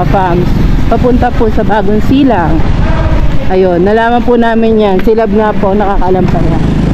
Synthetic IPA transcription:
ɐfamspɐpʊnt̪ɐpʊsɐbaːɡonsiːlɐŋ | ʔɐjonːɐlaːmɐnpʊnaːmɪnjansɪlɐb̚ŋaponɐkaːkɐʔɐlampɐna

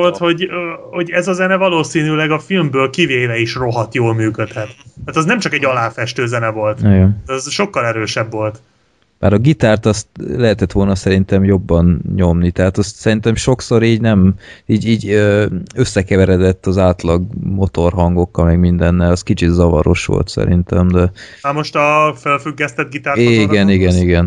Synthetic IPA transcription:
olt̪ho̞ɟho̞ɟɛzɒzɛnɛvɒloːsiːnylɛɡɒfilmbøːlkiveːlɛiʃro̞ɦɒt̪joːlmyːkøt̪hɛt̪aːt̪ɛznɛmt͡ʃɒkɛɟɒlaːfɛʃt̪øːzɛnɛvo̞lt̪ojoɛzʃo̞kːɒlɛɾøːʃɛbvo̞lt̪ | maːɾɒɡit̪aːrt̪ɒst̪lɛɦɛt̪ɛt̪ʋo̞lnɒsɛɾint̪ɛmjo̞bːɒnɲo̞mnit̪ɛɦaːt̪ɒst̪sɛɾint̪ɛmʃo̞kso̞ɾiːɟnɛmiːɟiːɟøø̞sːɛkɛvɛɾɛd̪ɛt̪ːɒzaːt̪lɒɡmo̞t̪o̞rɦɒŋɡo̞kːɒlmɛɡmind̪ɛnːɛlɒskit͡ʃit̪zɒvɒ̰ɾo̞̰ʃʋo̰lt̪sɛ̰ɾḭnt̪ɛmd̪ɛaːmo̞ʃt̪ɒfølfyɡːɛst̪ɛd̪̚ɡit̪aːɾiɡɛniɡɛniɡɛn

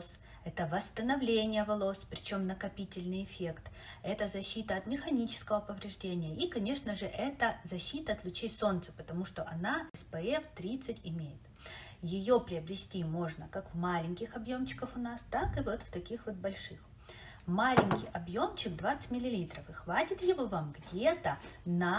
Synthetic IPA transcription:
s | ɛt̪əvəst̪ənɐvlʲenʲɪjəvɐlˠospɾʲɪt͡ɕo̞mnəkɐpʲitʲɪlʲnɨjɪfʲe̞kt̪ | ɛt̪əzɐɕːit̪əɐt̪mʲɪxɐnʲit͡ɕɪ̥skəvəpəvɾʲɪʐdʲenʲɪjəikɐnʲe̞ʂnəʐɨʔɛt̪əzɐɕːit̪əːt̪lʲˠʊt͡ɕejso̞nt̪sə̥pət̪ɐmuʂt̪o̞ʔɐnaɪspɛɛft̪ɾʲit̪sɨtʲɪmʲejɪt̪ | jɪjo̞pɾʲɪɐbɾʲɪsʲtʲimo̞ʐnəkakvmalʲɪnʲkʲɪxɐbjo̞mt͡ɕːɪ̥kəfʊnast̪akɨvo̞t̪ft̪ɐkʲixvo̞t̪̚bɐlʲʂɨx | malʲɪnʲkʲɪjɐbjo̞mt͡ɕɪk̚d̪vat̪sɨ̥tʲmʲɪlʲɪlʲit̪rəfɨxvatʲɪt̪jɪvovamɡdʲet̪ənɐ

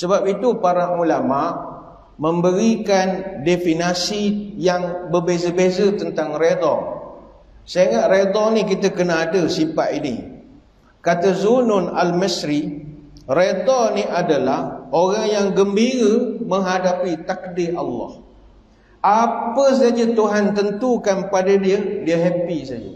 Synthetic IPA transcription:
səbap̚it̪upaɾaulamaʔ | mə̃mbəɾikandefinasijaŋbərbezəbezət̪ənt̪aŋred̪ɔ | saiŋaʔɾed̪ɔnikit̪əkənaadəsipa̰ʔinḭ | kat̪əzunʊnalməsɾi | red̪ɔniʔadalahoɾaŋjaŋɡəmbiɾəmə̃ɦadapit̪ak̚diʔɑ̰lːɑ̰h | apəs̬ad͡ʒət̪uɦant̪ənt̪ukanpadadiədiəɦɛpisad͡ʒə̰

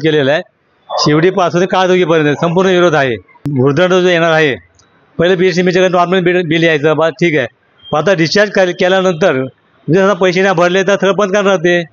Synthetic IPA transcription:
kelela | ɕiʋɽiːpasʰut̪ikaɾd̪okiːpəɾjənsəmpuɾɳəʋiɾod̪ʱaɦe | bʱuɾd̪əɳəd͡zjɛɽ̃aɾaɦe | pəɦiləpiesnimiːd͡ʑəɡanɔɾmẽɳʈbimiliajt͡səːbaʈʰiːka | pəat̪aɖist͡ɕaɾd͡ʑkəɾlkɛljanənt̪̬əɾ | t̪esad̪apəjɕenabʱəɾlet̪̬əɾt̪ʰəɭəpənt̪kaɾnat̪̬e

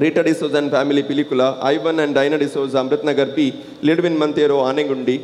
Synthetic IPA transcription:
ɾiːʈɐɖisoːzɐnpʰaːmilipilikulɐʔɐjʋɐnɛɳɖɖɐjnɐɖisoːzɐɐmɾut̪nɐɡɐɾbiː | liɖʋinmɐnt̪eːɾoːaːneŋɡuɳɖi

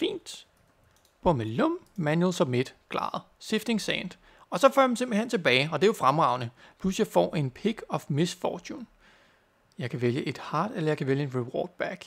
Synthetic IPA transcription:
fḭːnd̥ | b̥ɔ̽melɔm̰mænjul̩sɒ̽med̥kʰlɑ̰̈ːð̩ˠse̝fd̥e̝ŋsɛ̰ːnd̥ | ɒ̽sɒ̽fø̰ɐɑ̥m̩se̝mb̥lihe̝nt͡sʰe̝lbɛːɪɒ̽d̥e̝jofʁamʁɑ̈ʊ̰nəpʰlusjɑ̈ɪfɒ̰ːʔe̝npʰiɡ̥ɒ̽fmesfɒːt͡ɕʰun | jɑ̈ɪkʰæʋeljəʔe̝d̥hɑ̈ːd̥elɐjɑ̈kʰæʋeljəe̝nʁiwɒ̰ːd̥̚b̥æɡ̥

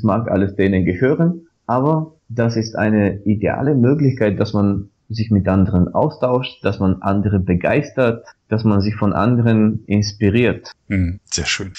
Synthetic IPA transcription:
smaːkʔa̰ləsd̥eːnənɡəhøːʁən | ʔaːbɐ | d̥asɪstʔa̰ɪnəʔidea̰ːləmøːklɪçkaɪt̚d̥asman | zɪçmɪtʔandəʁənʔa̰ʊstʰaʊʃtd̥asmanʔandəʁəbəɡa̰ɪstɐtd̥asmanzɪçfɔnʔa̰ndəʁənʔɪnspiʁiːɐt̩z̥eːɐʃøːn

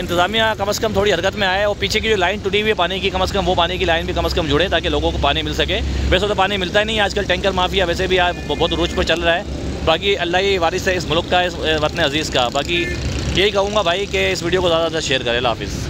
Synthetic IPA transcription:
ɪ̃nt̪ɪzaːmijãkɐməskɐmt̪ʰoːɽiɦɐɾkət̪mẽaːeɔːɾpiːt͡ʃʰek̬id͡ʒoːlaːɪnʈʊʈiɦiɛpaːnikikɐməskɐmʋopaːnikilaːɪnbʱikɐməskɐmd͡ʒʊɽet̪aːkeloːɡõkopaːnimɪlsɐkeːʋɛːsot̪apaːnimɪlt̪aɦɛnɐɦĩaːd͡ʒkəlʈɛ̃ːŋkəɾmaːfijaʋɛːsebʱiaːbɔːt̪ɾʊt͡ʃpət͡ʃɐlɾaɦɛː | baːkiɐlːaːɦiʋaːɾɪseɪsmʊlkːaɪsʋɐt̪neɐziːzkabaːkijeɦikɐɦũːŋɡabʱaːikeɪsʋiːɖiokozjaːd̪aʃeːəɾkɐɾẽla̰ːfɪ̰z

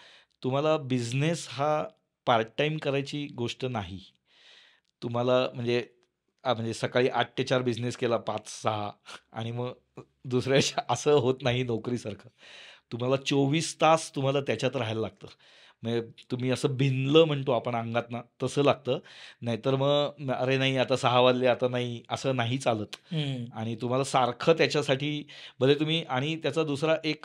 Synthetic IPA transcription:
t̪um̤alabid͡ʑnesɦa | paɾʈaimkəɾajt͡ɕiːɡoʂʈənaɦi | t̪um̤alam̤əɳd͡ze | m̤əɳd͡zesəkaɭiːʔaʈ̚ʈət͡ɕaɾbid͡ʑneskelapat͡ssəɦa̰a̰ɽ̃iməɡ | d̪usɾjat͡ɕaʔəsəːɦot̪naɦinɔkɾiːsaɾkʰat̪um̤alat͡soʋiːst̪ast̪um̤alat̪jat͡ɕjat̪əɾɦajlalaɡ̚t̪əː | mət̪um̤iːəsəːbʱinləːm̤əɳt̪oapəɳaŋɡat̪nat̪əsəːlaɡ̚t̪əːnaɦit̪əɾməɡəɾenaɦiat̪asəɦaʋad̪leat̪anaɦiəsəːnaɦit͡saləːt̪aɽ̃it̪um̤alasaɾkʰət̪jat͡ɕjasaʈiːbʱəlet̪um̤iːʔaɽ̃it̪jat͡sad̪usɾaʔek

